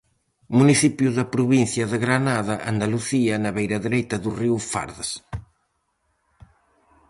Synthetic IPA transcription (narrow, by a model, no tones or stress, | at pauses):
muniθipjuðɐpɾuβin̟θjɐðɪɣɾanaðɐʔand̪aluθiɐnɐβejɾɐðeɾejt̪ɐðuriwfa̰ɾðas